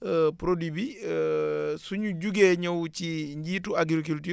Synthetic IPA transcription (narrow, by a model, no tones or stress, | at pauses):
əpɾodibi | suɲuɟuɡeɲɔwt͡ʃiɲɟiːtuaɡɾik̬ulti